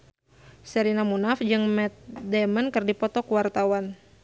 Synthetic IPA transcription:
sɛɾinamunafd͡ʒɨŋmɛt̪̚dɛmənkɨrdipɔt̪ɔkuwart̪awan

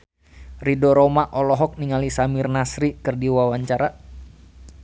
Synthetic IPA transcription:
ridɔɾɔmaʔɔlɔɦɔk̚niŋalisamirnasɾikɨrdiwawaɲt͡ʃaɾa

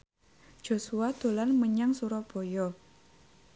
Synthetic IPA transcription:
d͡ʒ̥o̤suad̪̥o̤lanməɲaŋsuɾɔb̥ojɔ

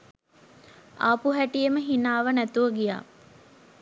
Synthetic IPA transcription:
a̰puɦæʈijeməɦinaːʋənæt̪uʋəɡija̰ː

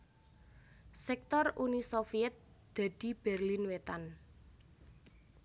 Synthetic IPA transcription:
sɛk̚t̪ɔrunisofiɛt̪̚d̪̥ä̤d̪̥i̤b̥ɛrlinwet̪an

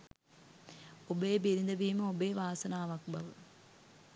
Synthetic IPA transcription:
obeːbiɾind̪ɐʋiːmɐobeːʋaːsɐnaːʋɐk̚bɐʋə

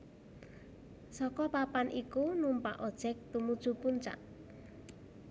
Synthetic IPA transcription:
sɔkɔpapanʔikunumpa̰ʔɔd̥ʒ̥ɛk̚t̪umud̥ʒ̥ṳpuɲt͡ʃa̰ʔ

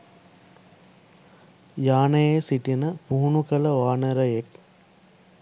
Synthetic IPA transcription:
jaːnɐjeːsiʈinɐpuɦunukɐlɐʋaːnɐɾɐjek

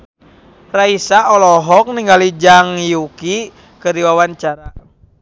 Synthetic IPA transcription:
raisaɔlɔɦɔk̚niŋɡalid͡ʒaŋjuki | kəɾiwawant͡ʃaɾa

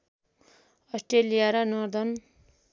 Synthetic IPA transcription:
ʌsʈɾelijaɾʌnʌɾd̪ʌn

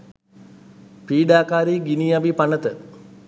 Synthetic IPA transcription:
piːɖaːkaːɾiːɡinijabipanət̪ə

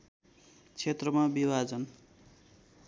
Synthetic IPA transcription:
t͡sʰet̪rʌmabibʱad͡zʌn

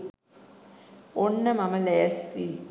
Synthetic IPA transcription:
oɳnːɐmɐmɐleːɐst̪i

